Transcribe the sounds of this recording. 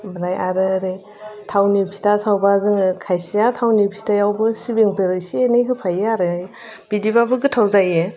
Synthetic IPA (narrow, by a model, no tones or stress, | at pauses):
bɾajʔaɾɯɾɯ | tʰawnipʰi̥tasawbazɯŋɯkʰajsijatʰawnipʰi̥tajawbɯsibiŋtɯɾɯsienɯjɦɯpʰajeaɾɯj | b̥idibabɯɡɯtʰawzaje